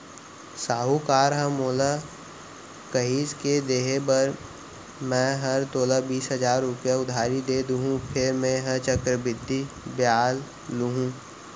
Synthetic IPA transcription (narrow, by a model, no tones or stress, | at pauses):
saːɦukaːɾɦə̃moːla | kəɦiːsked̪eːɦebɐɾ | mɛ̃ɦɐɾt̪oːlabiːsɦəzaːɾːʊpjaʊd̪ʱaːɾid̪eːd̪uɦũpʰɪɾmẽɦə̃t͡ʃəkɾəbɪd̪ʱːibjaːl | lːuɦũː